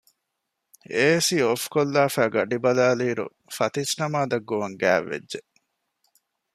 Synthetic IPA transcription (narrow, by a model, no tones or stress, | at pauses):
eːsiofkolːaːfæːɡɐɖibɐlaːliːɾṵ | fɐt̪isnɐmaːd̪ɐɡːoʋɐŋɡæ̰ːʋːḛd͡ʒʒe